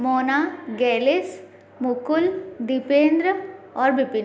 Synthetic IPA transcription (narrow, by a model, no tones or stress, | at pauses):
moːnaːɡɛːles | mʊkʊld̪ɪpẽːnd̪ɾəɔːɾbɪpɪn